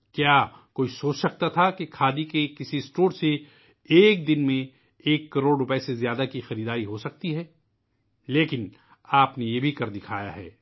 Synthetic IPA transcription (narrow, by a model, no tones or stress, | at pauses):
kjaː | koːisoːt͡ʃsɐk̚t̪at̪ʰakekʰaːd̪ikekɪsisʈoːɾse | eːk̚d̪ɪnmẽ | eːkːɐɾoːɽɾʊpɛsezjaːd̪akixɐɾiːd̪aːɾiɦosɐk̚t̪iɦɛː | leːkɪn | aːpnejebʱikɐɾd̪ɪkʰaːja̰ɦɛ̰ː